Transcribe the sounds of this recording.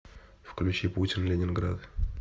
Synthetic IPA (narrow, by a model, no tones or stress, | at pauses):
fklʲʉt͡ɕiputʲɪnlʲɪnʲɪnɡɾad̪